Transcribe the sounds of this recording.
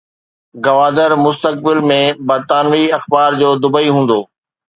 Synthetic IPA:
ɡɐʋaːd̪əɾmʊst̪ək̚bɪlmẽbɐɾt̪aːnʋiɐxbaːɾd͡ʑoːd̪ʊbəiɦũːn̆d̪oː

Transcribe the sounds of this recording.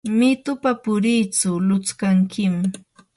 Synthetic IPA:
mɪt̪ʊpapʊɾijt͡sʊlʊt͡skaŋkʰɪm

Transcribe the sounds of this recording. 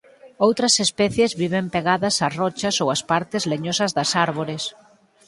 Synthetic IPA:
owt̪ɾɐsespɛθjezβiβempeɣaðɐsɐrɔt͡ʃɐsowɐspaɾt̪ɪzleɲosɐzðɐsaɾβoɾɪs

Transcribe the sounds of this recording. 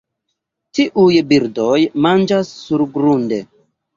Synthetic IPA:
tiʔujbiɾdojmand͡ʒasːuɾɡɾunde̞

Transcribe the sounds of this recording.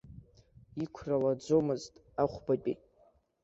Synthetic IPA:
ikʷʰralad͡zʷomɨztʼ | aχʷbapʼḭ

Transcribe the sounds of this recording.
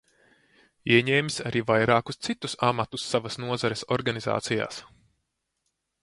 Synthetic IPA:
iɛɲɛːmʲisʲaɾiːvajɾaːkust̪sit̪usamat̪usːavɐsnuɔzaɾesɔɾɡaniza̰ːt̪sija̰ːs

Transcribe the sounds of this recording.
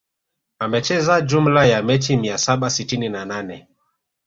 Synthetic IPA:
amɛt͡ʃɛzad͡ʒum̩lajamɛtimiasaɓasitininananɛ

